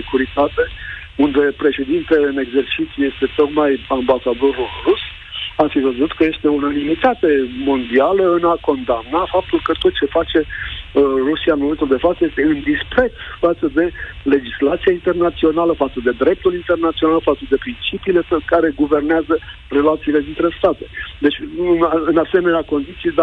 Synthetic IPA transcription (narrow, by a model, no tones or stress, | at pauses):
sekuɾit̪at̪e̞ | und̪e̞pɾe̞ʃe̞d̪int̪eleɨne̞ɡze̞rt͡ʃit̪sʲjujest̪e̞t̪o̞kmajambasad̪o̞ɾulrus | afivəzut̪kəje̞st̪e̞unalimit̪at̪e̞mo̞nd̪ialəɨnako̞nd̪amnafap̚t̪ulkət̪o̞t̪̚t͡ʃe̞fat͡ʃe̞ | rusijanmome̞nt̪uld̪e̞fat̪səjest̪e̞ɨnd̪ispɾe̞t̪sfat̪səd̪e̞le̞d͡ʒislat̪siaint̪e̞rnat̪sio̞naləfat̪səd̪e̞d̪ɾe̞p̚t̪ulint̪e̞rnat̪sionalfat̪səd̪e̞pɾint͡ʃipiːle̞kaɾe̞ɡuve̞rneazə | re̞lat̪siːle̞d̪int̪ɾe̞st̪at̪e̞d̪e̞t͡ʃʲɨnɨnase̞me̞neako̞nd̪it̪sijed̪a